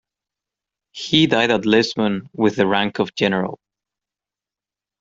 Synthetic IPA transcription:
hidaɪɾətˡlɪsmə̃nwɪðɨɹæ̃ŋkʰʌvd͡ʒɛnə˞ə̰l̩ˠ

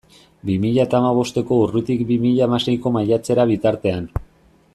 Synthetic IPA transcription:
bimiʎaet̪aːmaβ̞o̞st̪e̞ko̞urut̪ikbimiʎaːmase̞jko̞majat͡se̞ɾaβ̞it̪aɾt̪e̞an

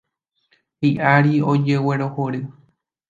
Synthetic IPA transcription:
hiʔaɾiod͡ʒe̞weɾohoɾɨ

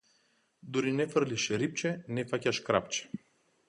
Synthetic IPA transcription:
d̪uɾinɛfəɾlʲiʃɾip̚t͡ʃenɛfacʲaʃkɾa̰pt͡ʃe̥

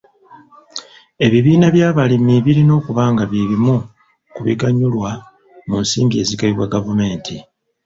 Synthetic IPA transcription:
e̞βiβiːnaβjaːβalimiβiɾino̞ːkuβaːŋɡaβiβimu | kuβḭɡaɲːulwa | munsḭːmbie̞ːziɡaliβwaɡavume̞ːntʰi

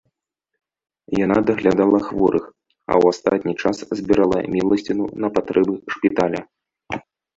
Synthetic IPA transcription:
janad̪ɐɣlʲad̪alˠɐxvɔɾɨx | ɐ̰wast̪at̪̚ʲnʲit͡ʂaszʲbʲiɾalˠɐ̰mʲilˠɐsʲt͡sʲinṵnɐpat̪ɾʔɛbɨʂpʲit̪alʲɐ

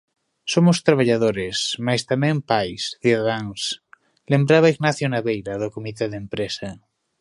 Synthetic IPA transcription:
somost̪ɾaβ̞aʎaðoɾesmast̪amẽmpajsθuðaðaŋs | lembɾaβ̞aiɣnaθjonaβejɾaðokomit̪eðempɾesa

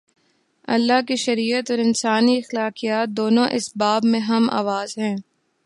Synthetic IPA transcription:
ɐ̰lːakiʃɐɾiːət̪ɔːɾɪnsaːniɐxlaːqijaːt̪̚d̪oːnõʔɪsbaːbmẽɦɐma̰ːʋaːzɦɛ̃ː

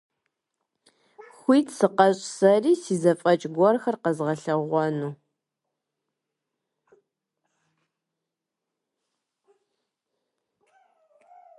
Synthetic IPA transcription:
xʷiːtʰsɨqɐɕʼsɐriːsiːzɐfʼɐt͡ʃʼɡʷɔrxɐrqɐzʁɐɬɐʁʷɔnuː

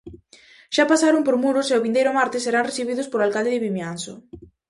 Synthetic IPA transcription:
ʃapasaɾʊmpoɾmuɾʊseʊβind̪ejɾʊmaɾt̪ɪsːeɾaŋreθiβiðʊspoɾalkald̪ɪðɪβimjanso

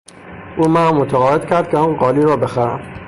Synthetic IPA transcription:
ʔuːmænmːot̪ʰæɣɒːed̪cʰʲæɾd̪̥̚kʰʲeɒːnɢɒːliːɾɒːbe̞xæɾæ̰m

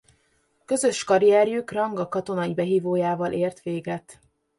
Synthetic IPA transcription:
kø̞zø̞ʃkɒɾijɛːɾjukrɒŋɡɒkɒt̪o̞nɒibɛɦiːvoːjaːvɒlʔeːrt̪ʋeːɡɛt̪

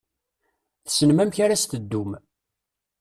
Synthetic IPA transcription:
θsənmæmçaɾast̪əd̪ːum

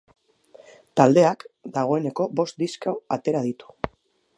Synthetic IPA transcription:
t̪ald̪e̞akd̪aɣ̞o̞e̞ne̞ko̞bo̞st̪̚d̪iskawat̪e̞ɾað̞it̪u̥

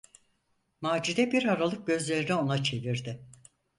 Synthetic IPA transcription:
maːd͡ʒid̪ɛbiɾaɾalˠɯk̚ɟø̞zlʲe̞ɾinɛo̞nat͡ʃʰe̞viɾd̪ɪ

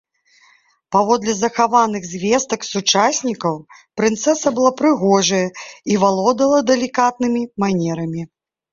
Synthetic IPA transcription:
pavɔd̪lʲɛzɐxavanɨɣzʲvʲɛst̪ɐksut͡ʂasʲnʲikɐwpɾɨnt̪sɛsɐbɨlˠapɾɨɣɔʐɐjɐivalˠɔd̪ɐlˠɐd̪ɛlʲikat̪̚nɨmʲimanʲɛɾɐmʲi

